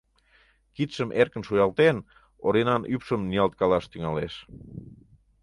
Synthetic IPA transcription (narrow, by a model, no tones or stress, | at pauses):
kit̪ʃəmʔerkənʃujɑlt̪en | oɾinɑnypʃəmniɑlt̪̚kɑlɑʃt̪yŋɑleʃ